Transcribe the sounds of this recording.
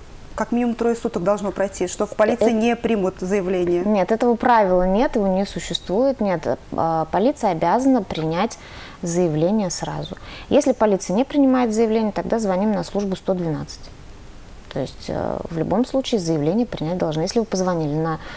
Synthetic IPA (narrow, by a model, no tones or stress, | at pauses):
kɐkmʲinʲɪmʊmt̪ɾojɪsut̪ək̚d̪ɐlˠʐnopɾɐjtʲiʂt̪ofpɐlʲit̪ɨɪnʲepɾʲimʊt̪zəjɪvlʲenʲɪjənʲe̞t̪ɛt̪əvəpɾavʲɪlˠənʲe̞t̪jɪvonʲɪsʊɕːɪst̪vujɪt̪nʲe̞t̪əpɐlʲit̪sɨjəɐbʲazənəpɾʲɪnʲætʲ | zəjɪvlʲenʲɪjəsra̰zʊjesʲlʲɪpɐlʲit̪sɨjənʲepɾʲɪnʲɪmajɪt̪zəjɪvlʲenʲɪjət̪ɐɡ̚d̪azvɐnʲimnɐslˠuʐbʊst̪o̞d̪vʲɪna̰t̪sɨ̥tʲ | t̪o̞̰ɪ̰sʲtʲə̰vlʲʊ̰bo̞mslˠut͡ɕɪːzəjɪvlʲenʲɪjəpɾʲɪnʲæt̚ʲd̪ɐlˠʐnojesʲlʲɪvɨpəzvɐnʲilʲɪnə